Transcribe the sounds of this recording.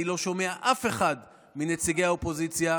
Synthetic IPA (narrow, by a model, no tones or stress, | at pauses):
ilo̞ʃo̞me̞aʔafe̞χad | minet͡siɡe̞jaopo̞zit͡sja